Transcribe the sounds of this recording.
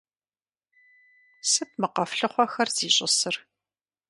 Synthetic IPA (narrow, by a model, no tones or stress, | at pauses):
sɨp̚mɨqɐfɬɨχʷɔxɐrz̥iːɕʼɪsɨr